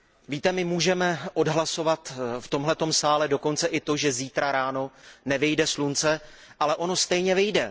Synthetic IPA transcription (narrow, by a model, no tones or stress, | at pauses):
viːt̪ɛmɪmuːʒɛmɛʔo̞dɦlaso̞vat̪ft̪o̞mɦlɛt̪o̞msaːlɛdo̞ko̞nt͡sɛʔɪt̪o̞ʒɛziːt̪ɾaɾaːno̞nɛvɪjdɛslunt͡sɛ | ʔalɛʔo̞no̞st̪ɛjɲɛvɪjdɛ